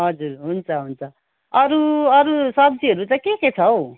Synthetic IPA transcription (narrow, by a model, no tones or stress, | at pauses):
ɦʌd͡zuɾɦunt͡sʰʌɦunt͡sʰʌ | ʌɾuʌɾusʌb̚d͡ziɦʌɾut̪ʌkeket͡sʰʌw